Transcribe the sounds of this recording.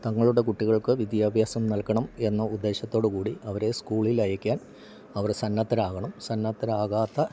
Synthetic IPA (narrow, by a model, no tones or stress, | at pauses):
t̪ɐŋːɐɭuɽe̞kuʈːiɣɐɭkɨʋid̪jaːbʱjaːsɐmnɐlkɐɳɐme̞nːɐud̪ːe̞ːɕɐt̪ːo̞ːɽukuːɽiɐʋɐɾe̞skuːɭilɐjɐkʲːaːn | ɐʋɐrsɐnːɐt̪ːɐɾaːɣɐɳɐmsɐnːɐt̪ːɐɾaːɣaːt̪ːɐ